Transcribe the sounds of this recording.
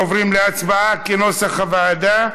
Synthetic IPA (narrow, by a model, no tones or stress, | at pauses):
ovʁimleat͡sbaakeno̞saχavaːd̪a